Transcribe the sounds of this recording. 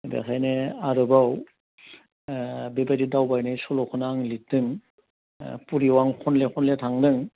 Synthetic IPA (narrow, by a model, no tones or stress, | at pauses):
bɛ̰xʰajneaɾɯbaw | bebadidawbajnajsɔlɔkʰɯnaŋlitɯŋ | puɾiwaŋkʰɔnlɛkʰɔnlɛtʰaŋdɯŋ